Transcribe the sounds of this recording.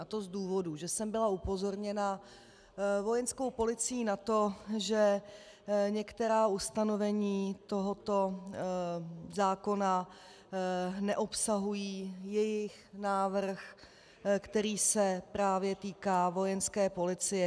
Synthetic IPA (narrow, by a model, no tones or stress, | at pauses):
at̪ozduːvo̞duʒɛsɛmbɪlaupo̞zo̞ɾɲɛna | vo̞jɛnsko̞wpo̞lɪt͡sɪjiːnat̪o̞ʒɛ | ɲɛkt̪ɛɾaːʔust̪ano̞vɛɲiːt̪o̞ɦot̪o̞ | zaːko̞na | nɛʔo̞psaɦujiːjɛjɪx | naːvr̩x | kt̪ɛɾiːsɛpɾaːvjɛt̪iːkaːvo̞jɛnskɛːpo̞lɪt͡sɪjɛ